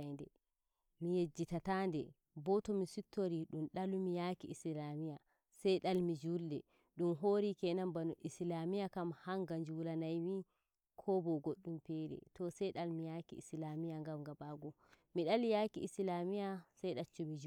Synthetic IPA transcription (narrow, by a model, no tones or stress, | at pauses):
ndɛ | mijed͡ʒːitatandɛ | bɔtɔmisutʰːoɾiɗumɗalumijakiʔːslamija | sajɗalmid͡ʒuldɛ | ɗumɦoɾikɛnambanuʔislamijakamhaŋɡaɲd͡ʒuwulanajmi | kʰɔbɔɡoɗːumpɛɾɛ̰tɔsɛjɗalmijakḭḭslamijaŋɡamɡabaɡɔ | miɗalijakiislamijasajɗat͡ʃːumid͡ʒ